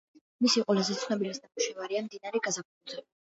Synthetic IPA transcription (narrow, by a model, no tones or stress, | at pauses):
misiqʼɔlazɛt̪sʰχnɛbilasd̪amuʃɛvaɾiamd̪inaɾɛɡazapʰud̪zɛ